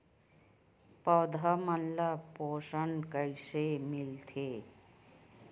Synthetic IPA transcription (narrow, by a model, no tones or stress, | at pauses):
pəwd̪ʱamənlapoːsənkəɪsemɪlt̪ʰeː